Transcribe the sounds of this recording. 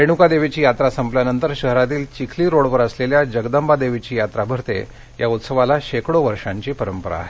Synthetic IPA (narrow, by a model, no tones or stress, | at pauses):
ɾeɳ̃ukad̪eʋit͡ɕiːjat̪ɾasəmpljanənt̪əɾɕəɦɾat̪iːlt͡ɕikʰliːɾoɽʋəɾəsleljad͡ʑəɡd̪əmbad̪eʋit͡ɕiːjat̪ɾabʱəɾt̪ḛ | jaut̪səʋalaɕekɽoʋəɾʂaɲt͡ɕiːpəɾəmpəɾa̰ːɦe